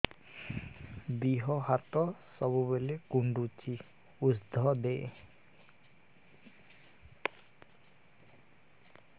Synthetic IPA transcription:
biɦɔɦat̪ɔsɔbubelekuɳɖut͡ʃi | usd̪ʱɔd̪e

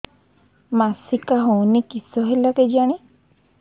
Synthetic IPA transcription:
masikaɦɔ̃wnikisɔɦelaked͡ʒaɽ̃e

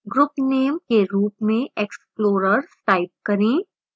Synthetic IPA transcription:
ɡɾʊpneːmkeɾuːpmẽʔeksploːɾəɾsʈaːɪp̚kɐɾẽː

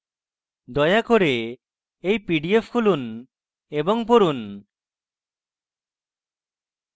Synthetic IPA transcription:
d̪ɔjakoɾe | ejpiɖiepʰkulun | ebɔŋpoɾun

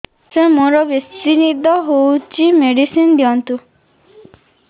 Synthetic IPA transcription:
semoɾɔbjest̪inid̪ʱɔɦowt͡ʃimeɽisind̪ijɔnt̪u

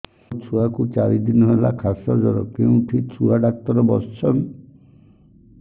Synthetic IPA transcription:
t͡ʃʰuakut͡ʃaɾid̪inɔɦelakʰasɔd͡ʒɔɾɔkeũʈʰit͡ʃʰuaɖak̚t̪ɔɾɔbɔt͡ʃɔn

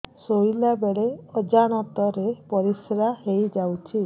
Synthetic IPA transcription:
sojlabeɭeɔd͡ʒaɽ̃ɔt̪ɔɾepɔɾisɾahejd͡ʒawt͡ʃʰi

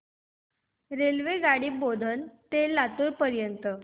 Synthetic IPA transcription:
ɾelʋeɡaɽiːbod̪ʱənt̪elat̪uːɾpəɾjənt̪ə

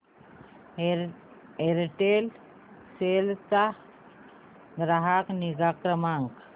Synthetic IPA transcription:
eɾʈel | selt̪a | ɡɾaɦakniɡakɾəmaŋk

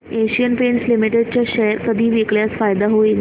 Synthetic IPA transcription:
eɕijənpenslimiʈeɖ̚t͡ɕjaɕɛɾkəd̪ʱiːʋikɭjasfajd̪aɦoin

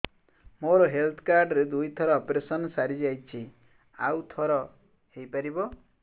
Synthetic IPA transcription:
moɾɔɦelt̪ʰɔkaɾɖɾed̪ujt̪ʰɔɾɔːpɾesɔnɔsaɾid͡ʒajt͡ʃʰi | awt̪ʰɔɾɔ | hejpaɾibɔ

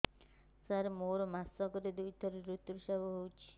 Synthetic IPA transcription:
saɾmoɾɔmasɔɡɔɾed̪ujt̪ʰɔɾeɾut̪ːuɾʃabɔɦowt͡ʃʰi̥

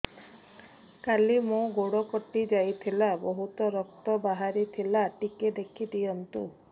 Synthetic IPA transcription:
kalimõɡoɽɔkɔʈid͡ʒajt̪ʰilabɔɦut̪ɔɾɔk̚t̪ɔbaɦaɾit̪ʰilaʈiked̪ekʰid̪iɔnt̪ṵ

